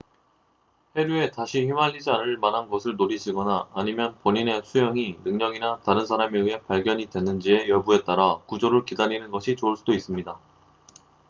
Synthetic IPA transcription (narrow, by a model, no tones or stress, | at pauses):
he̞ɾue̞taɕʰiçimɦaʎːid͡ʑianɯɭmanɦanɡʌsʰɯɭnoɾiɕʰiɡʌnaːɲimjʌnpoɲine̞sʰujʌŋinɯŋɲʌɡinataɾɯnsʰaɾameɯɦe̞paɭɡjʌɲidwe̞nːɯnd͡ʑie̞jʌbue̞t̚t͈aɾakud͡ʑoɾɯɭkidaɲinɯnɡʌɕʰit͡ɕoɯɭs͈udois͈ɯmɲida